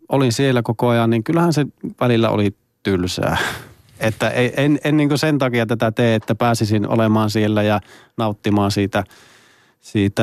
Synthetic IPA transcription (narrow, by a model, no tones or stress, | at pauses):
ʔolinsielːækokoɑjɑnniŋkylːæhænseʋælilːæ̰o̰li | t̪ylsæ̰ː | et̪ːæʔeienenːiːŋkusent̪ɑkijɑt̪æt̪æt̪eːet̪ːæpæːsisino̰lemɑːnsielːæjɑnɑˑut̪ːimɑːnsiːt̪æ | siːt̪æ